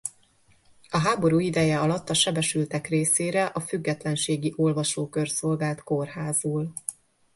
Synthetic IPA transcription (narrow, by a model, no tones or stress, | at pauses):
ɒɦaːbo̞ɾuːid̪ɛjɛɒlɒt̪ːɒʃɛbɛʃylt̪ɛkreːseːɾɛʔɒfyɡːɛt̪lɛnʃeːɡiʔo̞lvɒʃoːkørso̞lɡaːlt̪ko̞rɦaːzuːl